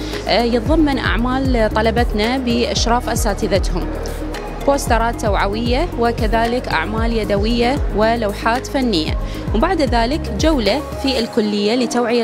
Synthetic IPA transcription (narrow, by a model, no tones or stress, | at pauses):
jɨt̪ˤðˤɑmːɪnʔa̰ʕmaːlt̪ˤɑlɑbat̪nabɪʔaʃɾˤɑːfʔasaːt̪ɪðat̪hʊm | boːst̪ɑɾˤɑːt̪ːawʕawɪjːawɪkaðaːlɪkʔa̰ʕmaːljad̪awɪjːawɪlawħaːt̪fanːɪjːa̰ | wbaʕd̪ðaːlɪkd͡ʒawla | fiɪlkʊlːɪjːalɪt̪awʕɪja